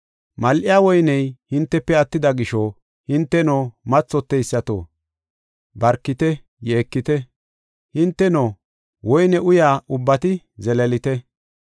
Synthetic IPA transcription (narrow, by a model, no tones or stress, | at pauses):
mɐlʔɪjaːwɔjnɛjhɪnt̪ːɛpːɛɐt̪ːɪd̪ɐɡɪʃo | hɪnt̪ːɛnoːmɐt͡sːɔt̪ːɛjsːɐt̪o̰ | bɐɾkːɪt̪ɛ | jeːkːɪt̪ɛ | hɪnt̪ːɛno | wɔjnɛʔʊjaːʔʊbːɐt̪ɪ | zɛlɛlɪt̪ɛ